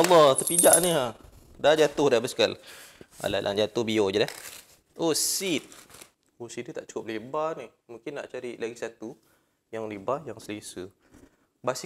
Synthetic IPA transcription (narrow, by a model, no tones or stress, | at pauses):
ɑlːɔht̪apid͡ʒaʔnia | dad͡ʒat̪ʊhdabaskala̰lalʔa̰nd͡ʒat̪ʊhbiod͡ʒəlah | ʔosit̪̚ | osit̪̚it̪aʔt͡ʃu̥kʊp̚libanih | mũŋkɪnːa̰ʔt͡ʃaɾilaɡisat̪u | jaŋlibajaŋsəlisə | bas